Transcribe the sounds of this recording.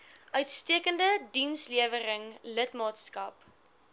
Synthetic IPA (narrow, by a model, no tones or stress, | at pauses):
ʔœɥtstiəkəndədinsliəvəɾəŋlətmɑːtskɐp